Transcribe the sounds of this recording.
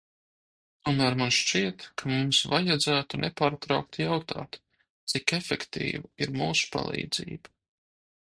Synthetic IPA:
t̪uɔmæːɾmanʃt͡ʃiɛt̪kʰamumsvajad̪zæːt̪unʔɛpaːɾt̪ɾawk̚t̪jawt̪a̰ːt̪ | t̪sikefɛkt̪ḭːvaiɾmuːsu̥pa̰lˠḭːd̪zḭːba

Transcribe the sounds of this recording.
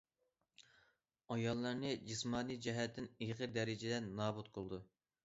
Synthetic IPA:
ɑjɑlˠːɑɾnɨd͡ʒismɑːnijd͡ʒɛɦɛt̪ʰːɪniʁəɾd̪ɛɾɪd͡ʒɪd̪ɛnːɑːbut̪qʰolˠɨd̪u

